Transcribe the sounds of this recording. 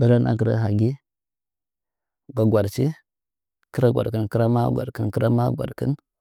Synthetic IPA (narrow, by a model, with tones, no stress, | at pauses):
ba˦la˦nʔa̰˦k̬ə˨ɾa̰˦ɦa˨ɡi˦ | ɡa˨ɡʷa˨ɾt͡ʃi˦ | kə˦ɾa˦ɡʷa̰˨ɾkə˦nkə˦ɾa˦ma˦ɡʷa̰˨ɾkə˦nkə˦ɾa˦ma˦ɡʷa̰˨ɾkə̰˦n